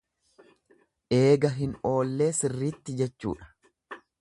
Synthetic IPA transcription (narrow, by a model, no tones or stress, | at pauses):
ʔeːɡɐɦɪno̞ːlːe̞ːsɪrːiːt̪ːɪd͡ʒɛt͡ʃːṵːᶑɐ̥